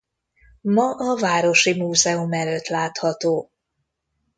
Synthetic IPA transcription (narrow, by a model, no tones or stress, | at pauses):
mɒʔɒvaːɾo̞ʃimuːzɛumɛløt̪laːt̪hɒt̪oː